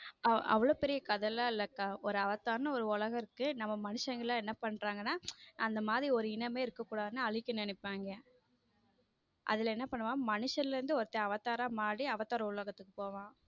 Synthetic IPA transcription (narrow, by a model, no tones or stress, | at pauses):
ɐ̰ɐ̰ʋːɐɭoːpɛɾɪjɐkɐðɐlaːlɐkːaːʔɔɾɯɐʋɐt̪ːaːnɐɔɾɯʊɭɐɣɐɪɾɯkːɯnɐmːɐmɐnɯʂɐŋɡɐɭlãːɛnːɐpɐɳːɾaːŋɡɐnːaːɐnd̪ɐmaːðɾiɔɾɯɪnɐmeːɪɾɯkːɐkːuːɽaːðɯnɯɐɭɪkʲːɐnɛnɛpːaːŋɡɐ | ʔɐ̰ðɪlɐɛnːɐpɐɳːɯʋãːmɐnɯʂɐɾɪlɾɯnd̪ɯɔɾɯt̪ːɐ̃ɐʋɐt̪ːaːɾãːmaːɽiɐʋɐt̪ːaːɾɐʊɭɐɣɐt̪ːɯkːɯ̥poːʋãː